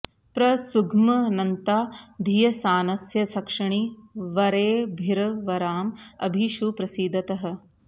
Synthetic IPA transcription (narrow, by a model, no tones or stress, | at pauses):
pɾɐsuɡmɐnɐnt̪aːd̪ʱijɐsaːnɐsjɐsɐkʂɐɳiʋɐɾeːbʱiɾɐʋɐɾaːmɐ̰bʱiʃupɾɐsiːd̪ɐt̪ɐɦɐ̆